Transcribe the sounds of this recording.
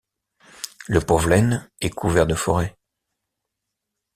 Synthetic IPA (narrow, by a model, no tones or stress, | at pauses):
ləpɔvlɛnɛkʰuvɛʁd̪əfɔʁɛ